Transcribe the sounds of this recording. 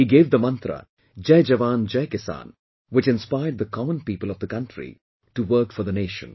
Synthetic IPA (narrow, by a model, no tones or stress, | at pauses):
hiːɡeːʋd̪əmʌ̃nt̪ɾə̰ | d͡ʒeɪd͡ʒɐʋãːnd͡ʒeɪkɪsã̰ːn | wɪt͡ʃɪ̃nspaɪəɖ̚d̪əkʰɔmə̃npiːpəlɔvd̪əkʌ̃nʈɾḭ | ʈuʋəɾkfɔɾd̪əneːʃə̰̃n